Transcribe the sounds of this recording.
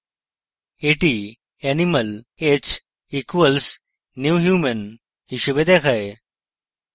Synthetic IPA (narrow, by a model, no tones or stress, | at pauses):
eʈi | ɛniməlet͡ɕ | ikəlsː | juːɦjuːmən | hiɕubed̪ekʰɐe